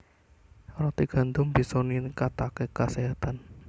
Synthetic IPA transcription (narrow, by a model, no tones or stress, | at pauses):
rɔt̪iɡ̥a̤nd̪ʊmbi̤sɔninkat̪akekaseɦat̪an